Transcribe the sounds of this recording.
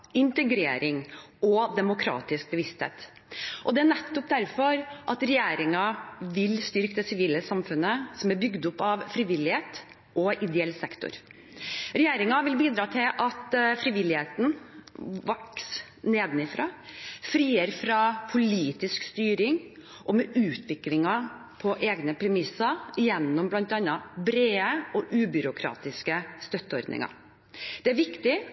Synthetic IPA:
ɪnt̪əɡɾḛːɾɪŋɔd̪ɛmʊkʰɾɑ̰ːt̪ɪsk̚bəʋɪst̪hḛːt̪ | ʔɔd̪ɛæɾnɛt̪ːɔp̚d̪æɾfɔɾʔɑt̪ɾɛjeːɾɪŋɑʋɪlst̪ʏɾkəd̪ɛsɪʋiːləsɑmfʉnːəsɔmæɾbʏɡd̪ʊpːɑʋfɾiːʋɪlːɪheːt̪ | ʔɔʔɪd̪ɛɛlːsɛkt̪ʊ̰ɾ | ɾɛjeːɾɪŋɑʋɪlbiːd̪ɾɑːt̪ʰɪlʔɑt̪fɾiːʋɪlːɪheːt̪n̩ | ʋɑks | neːd̪nɪfɾɑːfɾiːəɾfɾɑpʰʊliːt̪ɪskst̪yːɾɪŋ | ʔɔmɛʔʉːt̪ʰʋɪklɪŋɑ | pʰɔʔeːɡnəpʰɾɛmɪsːɑɪjɛnːɔmblɑnt̪ɑnːɑbɾeːəɔʔʉːbʏɾʊkʰɾɑ̰ːt̪ɪskəst̪œt̪ːəɔ̰ɾd̪nɪ̰ŋɑ̰ | d̪̥ɛæɾʋɪkt̪ɪ

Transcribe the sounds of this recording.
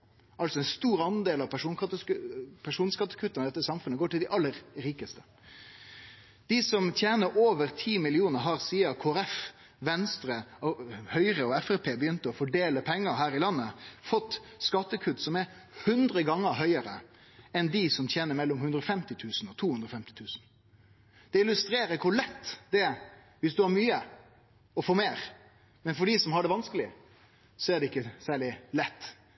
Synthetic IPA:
ʔɑlsɔɛnst̪uːɾɑnd̪eːlɑʋpʰæʂuːnɑt̪əpʰæʂuːnskɑt̪ːə̥kʰʉt̪ːənəd̪ɛt̪ːəsɑmfʉnəɡoːʈɪld̪ɛʔɑlːəɾɾiːkəst̪ə̥ | d̪̥ɪsɔmt̪ʰjeːnəɾoːʋəɾt̪ʰiːmɪlɪuːnəɾɦɑɾsiːɑkʰoːæɾɛf | ʋɛnst̪ɾə | hœʏɾəɔɛfɛpʰeːbəjʏnt̪əɔfɔɖeːləpʰɛŋːəɦæːɾɪlɑnːəfɔt̪ːskɑt̪ːəkʰʉd̪sɔmɛɾ | hʉnd̪ɾəɡɑŋːəɾɦœʏəɾə | ɛnd̪ɪsɔmt̪ʰjɛːnəɾmɛlːɔmhʉnd̪ɾɔfɛmt̪ɪt̪ʰʉːsn̩ɔt̪ʰuːhʉnd̪ɾɔfɛmt̪ɪ̥t̪ʰʉːsn̩ | d̪̥ɛɪlʉst̪ɾeːɾəɾkʰʊlɛt̪ːd̪ɛ | ʋɪsd̪ʉhɑɾmyːə | ɔfoːmeːɾ | mɛnfɔɖisɔmhɑɖɛʋɑnskəlɪ | sɔæɖ̪ɛɪkːəsæːɭɪlɛt̪ː

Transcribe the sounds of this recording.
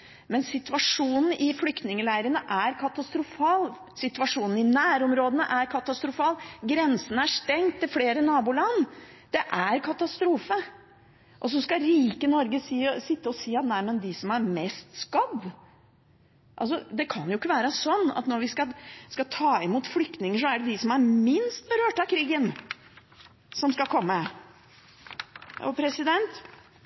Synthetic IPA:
mɛnsɪt̪ʉɑʂuːnn̩ɪflʏkt̪nɪŋəlæɪɾənəʔæɾkʰɑt̪ɑst̪ɾʊfɑːl | sɪt̪ʉɑʂuːnn̩ɪnæːɾɔmɾoːd̪ənəʔæɾkʰɑt̪ɑst̪ɾʊfɑːlɡɾɛnsənəæʂʈɛŋt̪ʰːɪlfleːɾənɑːbuːlɑnː | d̪̥ɛʔæɾkʰɑt̪ɑst̪ɾuːfə | ʔɔs̬ɔskɑɾiːkənɔɾɡəsiːsɪt̪ːəɔsiːɑt̪næɪmənd̪ɪsɔmæɾmɛst̪skɑd̪ | ʔɑ̰ls̬ɔd̪ɛkʰɑnjʊɪkːəʋæːɾəsɔnːɑ̰t̪nɔɾʋɪskɑlskɑt̪ʰɑːɪmuːt̪flʏk̚t̪nɪŋəʂɔæɖɛd̪ɪsɔmæɾmɪnst̪̚bəɾøːʈɑkʰɾiːɡən | sɔmskɑkʰɔmːə | ɔ̰pʰɾɛsɪd̪ɛnt̪

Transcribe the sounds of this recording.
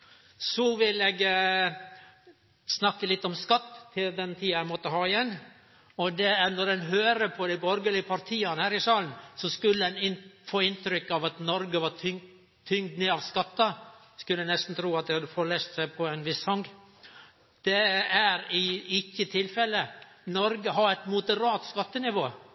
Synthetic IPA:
sɔʋɪleɡ | snɑkːəlɪt̪ːɔmskɑt̪ːʰɪld̪ɛnt̪ʰiːɑæmɔt̪ːəɦɑːɪjɛnː | ɔd̪ɛæɾnɔɾd̪ɛnɦøːɾəpʰɔd̪æɪbɔɾɡəlɪəpʰɑɾt̪ʰiːɑnəhæːɾɪsɑːlnsɔskʉlːədɛnɪfoːɪnt̪ɾʏkːɑʋɑt̪nɔɾɡəʋɑɾʰ | t̪ʰʏŋd̪neːɑʋskɑt̪ːɑ | skʉlːənɛst̪n̩t̪ʰɾuːɑt̪̚d̪ɛhɑd̪əfɔɭest̪sæɪpʰɔænʋɪshɑŋɡ | d̪̥ɛæɾɪɪkːət̪ʰɪlfɛlːə | nɔɾɡəɦɑɾæɪt̪mʊd̪əɾɑːt̪skɑt̪ːənɪʋoː

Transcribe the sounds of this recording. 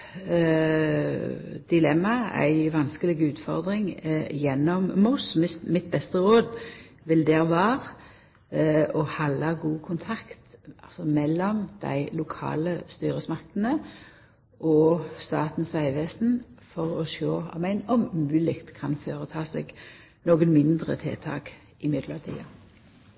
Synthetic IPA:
d̪̥ɪlɛmːɑæ̰ɪʋɑnskəlɪɡʉːt̪fɔ̰ʁd̪ɾɪŋjɛnːɔmmʊsmmɪt̪̚bɛst̪əɾoːd̪ | ʋɪld̪ɛːʁʋɑːʁ | ɔhɑlːɑɡuːkʰʊnt̪ʰɑkt̪ɑlsɔmɛlːɔmd̪̥æ̰ɪlʊkʰɑ̰ːləst̪yːɾəsmɑkt̪nə | ʔɔst̪ɑːt̪n̩sʋæɪʋeːsn̩fɔʁɔʃoːɑ̰mæɪnɔmmʉːlɪkt̪kʰɑnføːɾət̪ʰɑːsḛɡ | noːɡənmɪnd̪ʁə̰t̪ʰɪ̰ːt̪ʰɑ̰ːk | ɪmɪd̪ləʁt̪ʰḭːɑ

